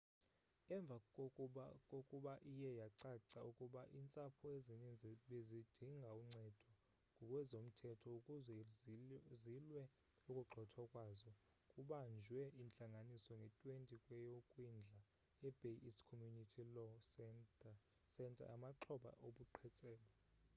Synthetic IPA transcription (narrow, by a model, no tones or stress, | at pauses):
ɛɱb̪vʱa | kʼokʼuɓaʔijɛjaǀaǀaukʼuɓaʔint͡sʼapʰɔezinind͡zʱiɓezid̥ʱiŋɡʱauŋ͡ǀɛd̥ʱɔ | ŋɡʱɔkʼwɛzom̩tʰɛtʰɔukʼuzɛ | zilwɛ | ukʼuǃʱɔtʰɔkʼwaːzɔ | kʼuɓand͡ʒʱwɛint͡ɬʼaŋɡʱanisɔŋɡʱɛtʼwentʼikʼwɛjokʼwind͡ɮʱa | ɛb̥ʱeiskʰɔmjunitʰilɔ | sɛntʼa̰amaǁʰɔɓa̰ʔoɓuǃʰɛt͡sʼɛːlɔ